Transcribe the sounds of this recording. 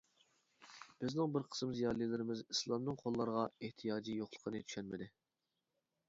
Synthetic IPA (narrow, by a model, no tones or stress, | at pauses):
b̥ɪznɪŋbɪɾqʰə̥smzijɑːlˠilɪɾɪmɪzislˠɑmnɨŋqʰolˠːɑɾʁɑeht̪ʰijɑːd͡ʒijoχlˠə̥qʰənɨt̪ʰy̥ʃɛnmɪd̪ɪ